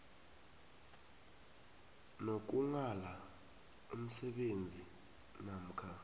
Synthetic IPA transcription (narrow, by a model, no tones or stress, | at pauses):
nok̬uŋala | um̩sɛɓend͡zʱi | nam̩kʰa